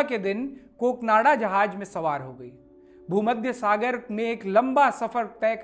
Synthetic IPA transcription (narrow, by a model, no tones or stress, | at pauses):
ked̪ɪnkoːknaːɽad͡ʒɐɦaːd͡ʒmẽsɐʋaːɾɦoɡɐeː | bʱuːməd̪ʱjəsaːɡəɾmẽeːklɐ̃mbasɐfəɾt̪ɛːk